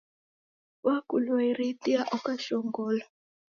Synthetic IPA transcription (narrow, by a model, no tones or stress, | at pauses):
wakulweɾitiaʔɔkaʃɔŋɡɔːla